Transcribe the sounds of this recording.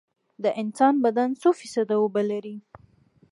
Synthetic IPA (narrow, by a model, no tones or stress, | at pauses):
d̪əʔɪnsɑnbad̪ansofisad̪awobalaɾi